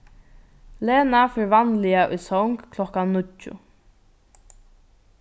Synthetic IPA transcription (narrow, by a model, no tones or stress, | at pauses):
leːnafɪɹvanlɪaʔʊ̰jsɔŋkʰlɔkanːʊcːʊ̰